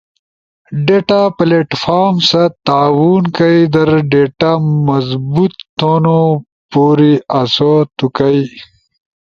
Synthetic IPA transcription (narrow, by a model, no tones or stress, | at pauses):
ɖeʈapleʈfaːɾmsat̪aːwunkɐjd̪ɐɾɖeʈamɐzbut̪ːono | poːɾiɐsot̪ukɐj